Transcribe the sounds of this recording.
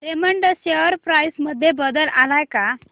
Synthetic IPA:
ʈeməɳʈəɕeəɾpɾajsməd̪ʱːjebəd̪əlalajka

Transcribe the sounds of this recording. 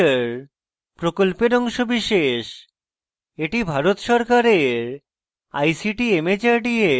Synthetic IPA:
ɾ | pɾokolpeɾɔŋʃobiʃeʃ | eʈibʱaɾot̪ʃɔɾkaɾeɾ | a̰jsiʈiemed͡ʑaɾɖie

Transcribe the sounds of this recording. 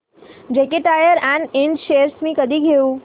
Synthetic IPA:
d͡ʒekeʈajəɾɛ̃nɖẽnd͡ʒʃejəɾsmĩkəd̪iɡʱejũ

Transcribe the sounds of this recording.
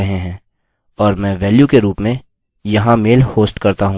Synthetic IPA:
ɐɦẽɦɛ̃ː | ɔːɾmɛ̃ːʋɛːljukeɾuːpmẽ | jɐɦãmeːlhoːsʈkɐɾt̪aɦũ

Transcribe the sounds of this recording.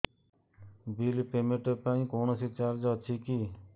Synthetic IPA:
bilpeːmeʈepaːĩkoːnosit͡ʃaːɾd͡ʒət͡ʃʰikiː

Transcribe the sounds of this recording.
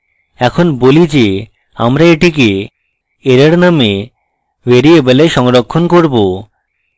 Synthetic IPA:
ɛkʰonbolid͡ʑe | a̰mɾaeʈike | eɾeɾname | beɾiebeleʃɔŋɾokʰːonkoɾbo

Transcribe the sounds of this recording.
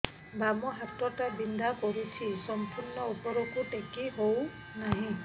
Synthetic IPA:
bamɔɦatɔtabind̪akɔɾut͡ʃʰisɔmpuɾnɔupɔɾɔkuʈekiɦow | naɦĩ

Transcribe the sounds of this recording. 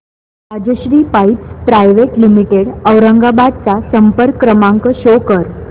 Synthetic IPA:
ad͡ʑəɕɾiːpajpspɾajʋeʈlimiʈeɽəwɾəŋɡabad̪̚t͡sasəmpəɾkːɾəmãŋkəɕokəɾ

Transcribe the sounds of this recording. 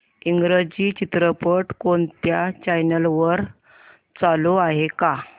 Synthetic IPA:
iŋɡɾəd͡ʑiːt͡ɕit̪ɾəpəʈkoɳt̪jat͡ɕajnəlʋəɾ | t͡saloaɦeka

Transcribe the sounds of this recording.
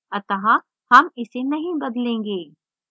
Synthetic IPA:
ɐt̪ɐɦã | hɐmɪsenɐɦĩbɐd̪lẽːŋɡeː

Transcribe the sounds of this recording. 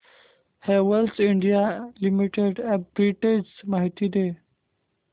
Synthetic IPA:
hewəlsiɳɖijalimiʈeɖɛp̚bɾiʈed͡ʑsmaɦit̪id̪e

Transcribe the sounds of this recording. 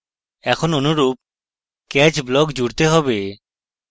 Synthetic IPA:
ɛkʰononuɾup̚ | kɛt͡ʃblɔkd͡ʑuɽt̪eɦɔbe

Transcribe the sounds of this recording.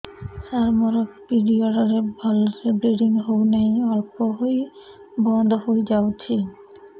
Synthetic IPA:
saɾmɔɾokpiɖioɾaɾebʱɔlsebɾeɖiŋɦownejɔɾpoɦoj | bɔnd̪ʱoɦojd͡ʑawt͡ɕʰi

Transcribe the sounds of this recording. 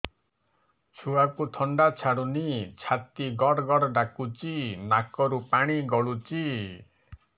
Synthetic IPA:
t͡ʃʰuakut̪ʰɔɳɖat͡ʃʰaɽunit͡ʃʰat̪iɡɔɽɡɔɽɔɖakut͡ʃinakɔɾupaɽ̃iɡɔɭut͡ʃi

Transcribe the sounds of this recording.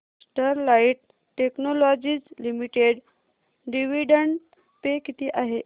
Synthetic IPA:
sʈəɾlaiʈ̚ | ʈeknolɔd͡ʑiːd͡zlimiʈeɽ | ɖiʋiɖəɳɖ | pekit̪iːʔaɦe

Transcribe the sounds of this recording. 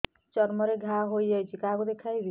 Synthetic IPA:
t͡ʃɔɾmɔɾeɡʱaɦojjajt͡ʃʰikaɡud̪ekʰajbi

